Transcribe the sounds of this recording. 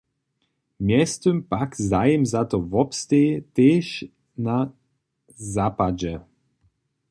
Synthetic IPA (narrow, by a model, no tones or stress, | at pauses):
mjɛst̪əmpakzajimzat̪ɔvɔpst̪et̪eːʃ | na | zaːpad͡ʑɛ